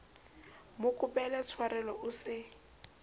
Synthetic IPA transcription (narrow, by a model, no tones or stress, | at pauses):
mʊkʼʊpɛlɛt͡sʰwaɾɛlɔʔʊsɪ